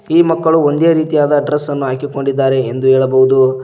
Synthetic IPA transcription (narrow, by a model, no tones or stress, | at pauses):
iːmɐkːɐɭuo̞nd̪e̞ːɾiːt̪ijaːd̪ɐɖɾesːɐnːuɦaːkiko̞ɳɖid̪ːaːɾe̞ːnd̪ueːɭɐbɐɦud̪u